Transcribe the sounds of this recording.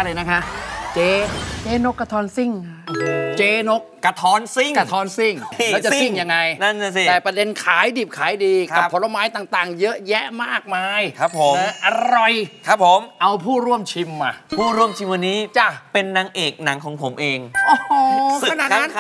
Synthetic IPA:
lɤː˧jna˦˥kʰa˦˥ʔt͡ɕeː˧t͡ɕeː˧no˦˥kːa˧t̪ʰɔː˧˥nsi˥˩ŋ | t͡ɕeː˧no˦˥k̚ːa˧t̪ʰɔː˧˥nsi˥˩ŋka˧˩t̪ʰɔː˨˧˥nsi˥˩ŋlɛː˦˥wt͡ɕa˨ssi˥˩ŋja˧ŋːa˧jna˥˩nːa˧˥˩si˨˩t̪ɛː˨˩pɾa˧de˧nkʰaː˩˦jdiː˨˩p̚kʰaː˨˩˦jdiː˧ka˨˩˧pʰːo˨˦la˧maː˦˥jt̪aː˨˩ŋt̪aː˨˩ŋjɤ˦˥ʔjɛ˦˥ʔmaː˥˩k̚maː˧jkʰa˦˥pʰːo˨˩˦m˧ʔa˧ɾɔ˨˩jkʰɾa˦˥pʰːo˩˦mʔa˧wpʰuː˥˩ɾu˥˩əmt͡ɕʰi˧mːa˨˩pʰuː˥˩ɾu˥˩əmt͡ɕʰi˧mwa˧nːiː˦˥t͡ɕa˧˩pe˧nːa˩˦ŋʔeː˨˩k̚na˩˦ŋkʰɔː˨˩˦ŋpʰo˩˦mʔeː˧ŋʔoː˧˩o˧˩kʰa˧naː˨˩t̚na˦˥n

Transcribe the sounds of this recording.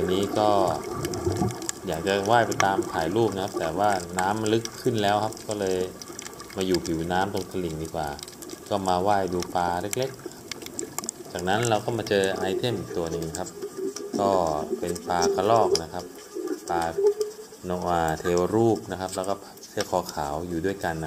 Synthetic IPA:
wa˧nːiː˦˥kɔː˥˩ | jaː˨˩k̚t͡ɕa˨˩waː˥˩jpa˧jt̪aː˧mk̪ʰaː˨˩˦jɾuː˥˩p̚na˦˥kʰa˦˥p̚t̪ɛː˨˩waː˥˩naː˦˥mlɯ˦˥kʰːɯ˥˩nlɛː˦˥wkʰa˦˥p̚kɔː˥˩lɤː˧j | maː˧juː˨˩pʰi˨˩˦wnaː˦˥mt̪o˧ŋt̪ʰa˧li˨˩˦ŋdiː˧kwaː˨˩ | kɔː˥˩maː˧waː˥˩jduː˧paː˧le˦˥k̚le˦˥k̚n˧kʰa˦˥p̚ | t͡ɕaː˨˩k̚na˦˥nlɛ˧wkɔː˥˩maː˧t͡ɕɤː˧ʔa˧jt̪ʰe˥˩mʔi˨˩k̚t̪u˧ɐnɯ˨ŋ˧kʰa˦˥p̚kɔː˥˩pe˧npaː˧kʰa˧lɔː˥˩k̚na˦˥kʰa˦˥p̚ | paː˧ | no˧ʔaː˨t̪ʰeː˧wɾuː˥˩p̚na˦˥kʰa˦˥p̚lɛː˦˥wkɔː˥˩pʰsʰi˥˩kʰɔː˨˧˦kʰaː˩˦wjuː˨˩du˥˩əjka˧nː˦

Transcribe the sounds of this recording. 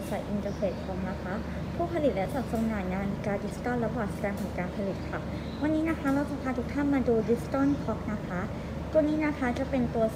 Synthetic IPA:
sa˨˩jʔi˧nt̪əː˧peː˨˩t̪̚kʰɔː˩˦ŋna˦˥kʰa˦˥ | pʰuː˥˩pʰa˧li˨˩t̪̚lɛ˦˥wt͡ɕaː˨˩sa˧naː˨˩ŋaː˧nkaː˧di˦˥si̥˧t̪ɔ˥˩nɾa˧˥waː˨˩sa˧dɛː˧ŋp̪ʰɔː˩˦ŋkaː˧npʰa˧li˨˩t̪̚kʰa˧˥˩ | wa˧nːiː˦˥na˦˥kʰa˦˥ɾa˧wt͡ɕa˧pʰaː˧nt̪ʰuː˨˩˥kt̪ʰa˥˩nmaː˧duː˧di˦˥si̥˧t̪ɔ˥˩nkʰɔ˦˥k̚na˦˥kʰa˦˥ | k̪u˧nːiː˦˥na˦˥kʰa˦˥t͡ɕa˨˩pe˧nt̪u˧ɐ

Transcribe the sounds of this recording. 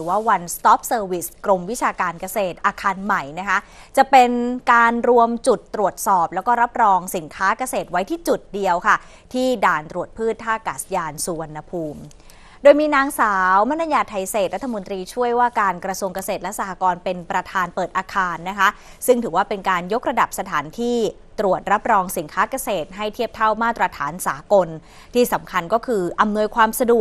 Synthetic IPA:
ɯː˩˦waː˥˩wa˧nst̪ɔː˦˥p̚sɤː˧wi˦˩skɾo˧mwi˦˥t͡ɕʰaː˧kaː˧nka˧seː˨˩t̪̚ʔaː˧kʰaː˧nma˨˩jna˦˥kʰa˦˥ʔ | t͡ɕa˨˩pe˧nkaː˧nɾu˧əmt͡ɕu˨˩t̪ːɾu˨˩ət̪̚sɔː˨˩p̚lɛː˦˥wkɔː˥˩ɾa˦˥p̚ɾɔː˧ŋsi˩˦nkʰaː˦˥ka˧seː˨˩t̪̚wa˦˥jt̪ʰiː˥˩t͡ɕu˨˩t̪̚di˧əwkʰa˥˩ | t̪ʰiː˥˩daː˧nt̪ɾu˨˩ət̪̚pʰɯː˥˩t̪ʰːaː˥˩kaː˨˩sjaː˧nsuː˧wa˧nːa˧pʰuː˧m | doː˧jmiː˧naː˧ŋsaː˩˦˩wma˦˥na˧˥jaː˧˩t̪ʰːa˧˩jseː˨˩t̪̚ɾa˦˥t̪ʰːa˧mo˧nt̪ɾiː˧t͡ɕʰu˥˩əjwaː˥˩kaː˧nkɾa˧su˧əŋka˧seː˨˩t̪̚lɛ˦˥sa˧ha˧kɔː˧npe˧npɾa˧t̪ʰaː˧npɤː˨˩t̪̚ʔaː˧kʰaː˧nːa˦˥kʰa˦˥ | sɯ˥˩ŋt̪ʰɯː˩˦waː˥˩pe˧nkaː˧njo˦˥k̚ɾa˧da˨˩p̚sa˧t̪ʰaː˩˦nt̪ʰiː˥˩ | t̪ɾu˨˩ət̪̚ɾa˦˥p̚ɾɔː˧ŋsi˩˦nkʰaː˦˥ka˧seː˨˩t̪̚ɦa˥˩jt̪ʰi˥˩p̚t̪ʰa˥˩wmaː˥˩t̪ɾa˧t̪ʰa̰ː˩˦nsaː˩˦ko˧n | t̪ʰiː˥˩sa˩˦mkʰa˧nkɔː˥˩kʰɯː˧ʔa˧mnu˧əjkʰwaː˧msa˧du˨˩ək̚

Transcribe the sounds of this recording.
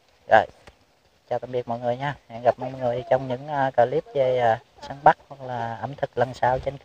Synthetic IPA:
zɔ̰ː˧˨˩j | t͡ɕaː˨˩t̪a˧˩ɓi˨˩ət̚mɔ̰˧˨jŋɨ˨˩əjɲaː˧mɛ̰˧˨ŋɣa˨˩p̚mɔ̰˧˨jŋɨ˨˩əjt͡ɕɔ˧wŋ͡mɲɨ̰˧˥ŋʔːkaː˧˩li˦˥əp̚ve˧˩jːsaː˧˦ŋɓa˦˥k̚hwa˨˩k̚laː˨˩ʔə̰˧˩˦mt̪ʰɨ˨˩k̚lə˨˩nsaː˧wt͡ɕe˧nk

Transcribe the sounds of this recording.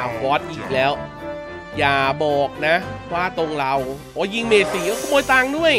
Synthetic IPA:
a˧˩wɔ˦˥t̪̚ʔiː˨˩k̚lɛː˦˥w | jaː˨˩bɔː˨˩k̚na˦˥waː˥˩t̪o˧ŋɾa˧wʔɔː˨˦ji˧ŋmeː˨˩t̪̚si˨˩a˧˥kʰɔ˥˩mɔː˧jt̪aː˧ŋdu˥˩əj

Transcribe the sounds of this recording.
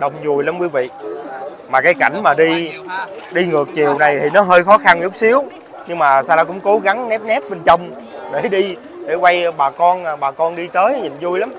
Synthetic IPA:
ɗə˧˩wŋ͡mzu˨˩əjla˧mkwi˧˦vḭ˨˩ək̚ | maː˨˩kaː˨˦jka˧˩jŋ̟maː˨˩ɗi˧ | ɗi˧ŋɨ˨˩ək̚t͡ɕi˨˩əwna˨˩jt̪ʰi˨˩nɔ˨˦ɦəː˧jxɔ˨˦xa˧nzʊ˦˥k͡p̚si˨˦əw | ɲɨ˧ŋmaː˨˩saː˧laː˧kʊ̰˧˥ŋ͡mko˨˦ɣa˨˦ŋnɛ˦˥p̚nɛ˦˥p̚ɓe˧nt͡ɕə˧wŋ͡m | ɗe˧˩ɗi˧ | ɗe˧˩kwa˧jɓaː˨˩kɔ˧n˨˩ɓaː˨˩kɔ˧nɗi˧t̪əː˨˦jɲḭ˨˩ŋ̟zu˧jla˨˦m

